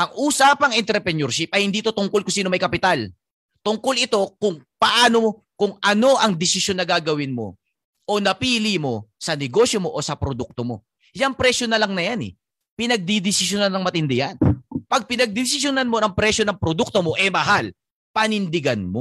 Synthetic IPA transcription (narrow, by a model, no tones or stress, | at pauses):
ʔɐŋʔuːsapɐŋʔɛnt̪ɾɛpɛnjoɾʃɪp̚ʔɐjhɪnd̪iːʔt̪ot̪ʊŋko̞lkʊŋsiːnomɐjkɐpɪt̪al | t̪ʊŋko̞lɪt̪o̞kʊŋpɐʔaːno̞mo | kʊŋɐno̞ʔɐŋd̪ɪsɪʃjo̞nːɐɡaːɡɐwɪnmo̞̰ | ʔo̞nɐpiːlimo̞sɐnɛɡo̞sjo̞mo̞ʔosɐpɾod̪uk̚t̪omo̞̰ | jɐŋpɾɛsjonɐlɐŋnɐjanɛ̰ | pɪnɐɡ̚d̪id̪ɪsɪʃjonannɐŋmɐt̪ɪnd̪ɪjɐnpɐɡ̚pɪnɐɡ̚d̪ɪs̬ɪʃjonɐnmo̞nɐŋpɾɛʃjo̞nɐŋpɾod̪uk̚t̪o̞mo̞ʔɛmɐɦal | pɐnɪnd̪ɪɡɐnmo